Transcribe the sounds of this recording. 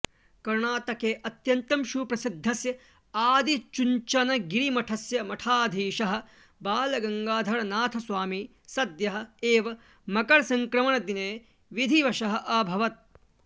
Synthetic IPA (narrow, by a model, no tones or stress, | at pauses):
kɐɾɳaːt̪ɐkeːʔɐt̪jɐnt̪ɐmʃupɾɐsid̪ʱːɐsjɐ | aːd̪it͡ʃuɲt͡ʃɐnɐɡiɾimɐʈʰɐsjɐmɐʈʰaːd̪ʱiːʃɐɦɐ̆ | baːlɐɡɐŋɡaːd̪ʱɐɾɐnaːt̪ʰɐsʋaːmi | sɐd̪jɐɦɐ̆eːʋɐ | mɐkɐɾsɐŋkɾɐmɐɳɐd̪ineː | ʋid̪ʱiʋɐʃɐɦɐ̆ʔɐbʱɐʋɐt̪̚